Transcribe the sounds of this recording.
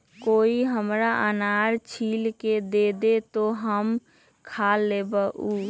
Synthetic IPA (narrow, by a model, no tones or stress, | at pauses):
koiɦəmɾaʔənaɾt͡ʃʰilked̪ed̪et̪oɦəm | kʰalːebəʔu